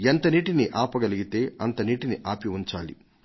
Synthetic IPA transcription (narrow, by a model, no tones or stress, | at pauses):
ent̪ɐniːʈiniʔaːpɐɡɐliɡit̪e̞ːɐnt̪ɐniːʈiniʔaːpiuɲt͡ʃa̰ːlḭ